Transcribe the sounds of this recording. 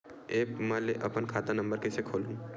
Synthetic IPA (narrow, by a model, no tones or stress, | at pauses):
eːpmɛleʔɐpənkʰaːt̪anɐ̃mbəɾkesekʰoːlũ